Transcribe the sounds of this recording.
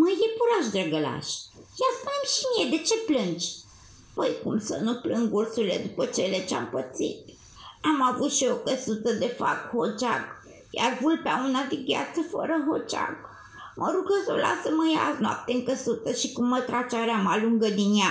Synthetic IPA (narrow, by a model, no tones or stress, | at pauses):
məjepuɾaʃ̬d̪ɾəɡəla̰ʃʲ | jaspunemʃimijed̪e̞t͡ʃe̞plɨnd͡ʒʲ | pəjkumsə̰nuplɨŋɡursuɾilḛd̪upət͡ʃelet͡ʃea̰mpət̪sḭt̪ | amavut̪ʃio̞kəsut̪əd̪efa̰khot͡ʃaɡ | jʔavulpeaunad̪eɡʲa̰t̪səfə̰ɾəɦot͡ʃa̰k | mʔəɾuɡəso̰la̰səməjaːznʊa̰p̚t̪eɨŋkəsut̪əʃikumːət̪ɾat͡ʃaɾamaluŋɡəd̪inja